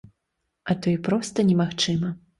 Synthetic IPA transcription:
ɐt̪ɔjipɾɔst̪ɐnʲɛmaxt͡ʂɨmɐ

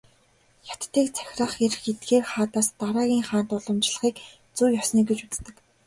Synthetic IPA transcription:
jḁt̪ːiːkt͡sʰæ̥xʲrăːχeɾxet̪̚ɡeːrχaːt̪aːst̪aɾaːɣʲiːŋχaːnt̪ʊɮə̆mt͡ɕɮə̥̆χiːk | t͡suwjɔsniːɡet͡ɕut͡st̪ɘ̆k

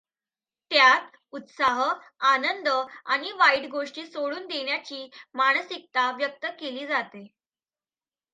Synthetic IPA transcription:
t̪jat̪ | ut̪saɦə | anənd̪əaɽ̃iʋaiʈɡoʂʈiːsoɽuːnd̪eɳjat͡ɕiːmaɽ̃əsik̚t̪aʋjək̚t̪əkeliːd͡zat̪e

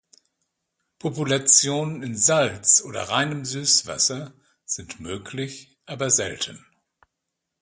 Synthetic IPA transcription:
pʰopulat͡sjoːnənɪnzalt͡sʔoːdɐ̰ʁaɪnəmzyːsv̥a̰sɐ | z̥ɪntmøːkʰlɪç | ʔaːbɐzɛ̰ltʰən

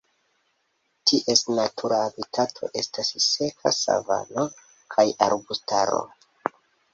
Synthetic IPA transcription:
tʰiʔe̞snatʰuɾaːbitʰatʰo̞̰ʔe̞stasse̞kʰa̰sa̰va̰no | kʰajaɾbustaɾo̞̰

